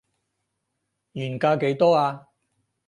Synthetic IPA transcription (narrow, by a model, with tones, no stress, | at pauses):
jyː˨˩nkaː˧ke˨˧˥jt̪ɔː˥aː˧